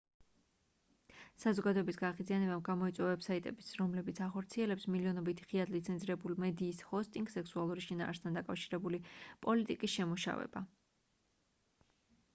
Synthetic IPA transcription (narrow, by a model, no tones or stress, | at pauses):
sazɔɡad̪ɔɛbisɡaʁid̪zianɛbamɡamɔit̪sʼwɛavɛbsait̪ʼɛ̰bisɾɔmlɛbit̪sʰaχɔɾt̪sʰiɛlɛpsmiliɔnɔbit̪ʰi̥χiad̪lit̪sʰɛnziɾɛbulimɛd̪iːshɔst̪ʼĩŋɡsɛksualˠuɾiʃina̰ːɾst̪ʰand̪akʼafʃiɾɛbulipʼɔlit̪ʼikʼisʃɛmuʃa̰vɛ̰ba